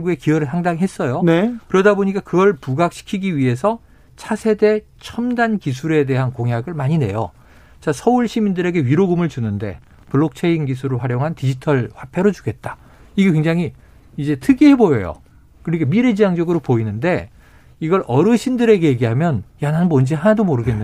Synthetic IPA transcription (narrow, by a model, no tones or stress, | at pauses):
ɡue̞kiʌɾɯɭsʰaŋdaŋiɦe̞s͈ʌjonekɯɾʌdaboɲik͈akɯɡʌɭpuɡak̚ɕ͈ʰi̥kʰiɡiɥiɦe̞sʰʌ | t͡ɕʰasʰe̞de̞ | t͡ɕʰʌmdankisʰuɾe̞de̞ɦankoŋɦjaɡɯɭmaɲine̞̰jo̰ | t͡ɕasʰʌuɭɕʰimindɯɾe̞ɡe̞ɥiɾoɡumɯɭt͡ɕunɯnde̞̰ | puɭːok̚t͡ɕʰeinɡisʰuɾɯɭɸwaɾjoŋɦantid͡ʑitʰʌɭɸwapʰe̞ɾod͡ʑuɡet̚t͈ḁ | iɡekweŋd͡ʑaŋɦiː | d͡ʑe̞tʰɯɡiɦe̞bojʌjo̰ | kɯɾikamiɾe̞d͡ʑijaŋd͡ʑʌɡɯɾopoinɯnde̞ | iɡʌɾʔʌɾɯɕʰindɯɾe̞ɡeje̞ɡiɦamjʌnjanɦabond͡ʑiɦanadomoɾɯɡe̞nː